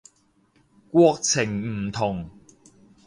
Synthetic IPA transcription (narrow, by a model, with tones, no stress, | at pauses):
kwɔ˥k̚t͡sʰɪ˨˩ŋm̩˨˩t̪ʰʊ˨˩ŋ